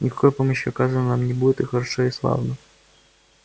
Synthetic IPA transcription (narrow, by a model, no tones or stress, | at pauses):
nʲɪkɐ̥kojpoməɕjʊɐkazənənamnʲɪbudʲɪt̪ɨxəɾɐʂoɪslˠa̰vnə